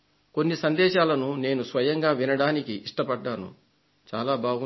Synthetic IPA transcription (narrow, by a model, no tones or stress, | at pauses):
ko̞nːisɐnd̪ɛːʃaːlɐnune̞ːnusʋɐjɐŋɡaːʋinɐɽaːnikiʔːʂʈɐpɐɖːaːnṵ | t͡ʃaːlaːbʱaːɡu